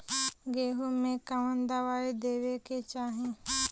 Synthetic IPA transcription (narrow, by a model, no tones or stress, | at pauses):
ɡeːɦumẽkaʋə̃nd̪aʋaːid̪eːʋeket͡ʃaːɦẽ